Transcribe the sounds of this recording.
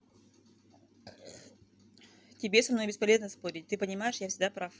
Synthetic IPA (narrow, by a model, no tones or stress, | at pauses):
tʲɪbʲesɐmno̞jbʲɪspɐlʲe̞znəspo̞ɾʲɪt̚ʲt̪ɨpənʲɪmajɪʂjafsʲɪɡd̪apɾaf